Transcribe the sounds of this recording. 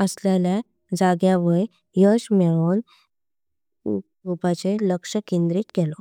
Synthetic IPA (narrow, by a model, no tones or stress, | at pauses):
əsljalja | d͡zaɡjaʋəj | jəɕmeɭon | ɡupat͡seləkʂəkind̪ɾiːt̪kɛlɔ